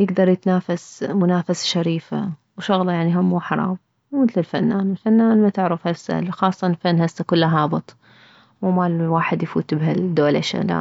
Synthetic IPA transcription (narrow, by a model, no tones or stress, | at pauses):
jɪɡd̪ɑɾˤjɪt̪naːfasmʊnaːfasʃaɾiːfa | wʃʊɣlɑjaʕniɦamːuːħɑɾˤɑ̰ːb̚ | mɪθlɪlfa̰nːaːnɪlfanːaːnmat̪ɪʕɾɪfhasːa̰lxɑːsˤːɑnlfanːhasːakʊlːaɦɑːbɨt̪ˤ | mumalwaːħɪd̪jfṵːt̪bhad̪oːlʔɪʃa̰la̰